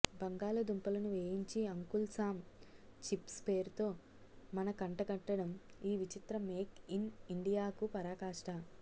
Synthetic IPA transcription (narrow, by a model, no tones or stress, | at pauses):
bɐŋɡaːlɐd̪umpɐlɐnuʋeːjiɲt͡ʃiɐŋkulsaːm | t͡ʃipspe̞ːɾut̪o̞ː | mɐnɐkɐɳʈɐɡɐʈːɐɽɐmiːʋit͡ʃit̪ɾɐmeːkiniɳɖijaːkupɐɾaːkaːʂʈɐ